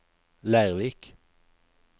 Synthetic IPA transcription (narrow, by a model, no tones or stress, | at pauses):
læɪʁʋiːk